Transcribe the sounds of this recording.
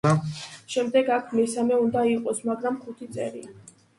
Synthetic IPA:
ʃɛmd̪ɛɡakʰmɛsamɛund̪aiqʼɔsmaɡɾamχut̪ʰit̪sʼɛ̰ɾḭ

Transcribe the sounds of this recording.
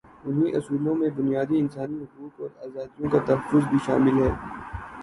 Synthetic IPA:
ʊnɦiʔɐsuːlõmẽbʊnijaːd̪iɪnsaːniɦʊquːtɔːɾaːzaːd̪ijõkat̪ɐɦəfʊzbʱiʃa̰ːmɪlɦɛː

